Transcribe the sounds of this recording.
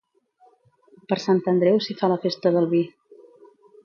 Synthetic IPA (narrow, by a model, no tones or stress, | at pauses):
pəɾsant̪ənd̪ɾɛwsifaləfest̪əðəlˠβi